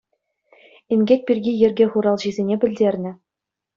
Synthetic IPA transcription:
inʲɡʲek̚ʲpʲirʲɡʲijɘ̆rʲɡʲeχuɾɑlˠʑizʲenʲebʲɘ̆lʲdʲerʲnʲɘ̆

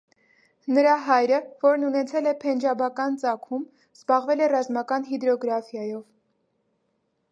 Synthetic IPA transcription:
nəɾɑɦɑjɾəvɔɾnunɛt͡sʰɛlɛpʰɛnd͡ʒɑbɑkɑnt͡sɑkʰum | z̥bɑʁvɛlɛrɑzmɑkɑnɦid̪ɾɔɡɾɑfjɑjɔv

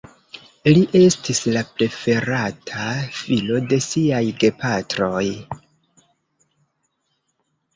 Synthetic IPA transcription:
liʔe̞stislapɾe̞fe̞ɾatʰafilo̞de̞siajɡe̞patɾo̞j

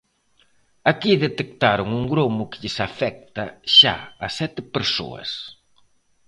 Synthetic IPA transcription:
akiðet̪ek̚t̪aɾʊŋuŋɡɾomʊkɪ̥ʎɪsafɛk̚t̪ɐʃa̰asɛt̪ɪpeɾso̰ɐ̰s

